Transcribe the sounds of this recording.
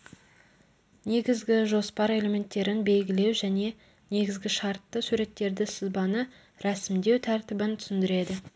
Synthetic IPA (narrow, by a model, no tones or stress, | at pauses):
ne̞ɡʲɪzɡʲɪʒo̞spɑɾe̞le̞mʲe̞nt̪ːe̞ɾɪnbe̞lɡʲɪle̞wʒæne̞ | ne̞ɡʲɪzɡʲɪʃɑɾt̪ːəsuɾe̞t̪ːe̞ɾd̪ɪsɪzbɑnə | ɾæsɪmd̪e̞wt̪ʰæɾt̪ɪbɪnt̪ʰʏ̥sɪnd̪ɪɾe̞d̪ɪ